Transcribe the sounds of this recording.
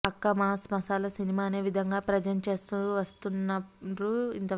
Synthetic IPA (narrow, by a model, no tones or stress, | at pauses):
ɐkːɐmɐsmɐsaːlɐsinimaːɐneːʋid̪ʱɐŋɡaːpɾɐd͡ʒɐnt͡ʃe̞ːst̪uʋɐst̪unːɐɾuḭnt̪ɐ